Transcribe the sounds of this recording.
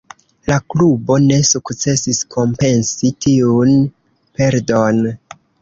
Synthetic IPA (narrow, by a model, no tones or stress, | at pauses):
laklubo̞ne̞sukt͡se̞siskʰo̞mpe̞nsitiun | pe̞ɾdo̞n